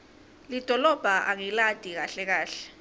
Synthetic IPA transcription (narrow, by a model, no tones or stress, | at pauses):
lid̥ʱɔlɔb̥ʱaʔaŋilad̥ʱik̬aɬɛk̬aːɬɛ̥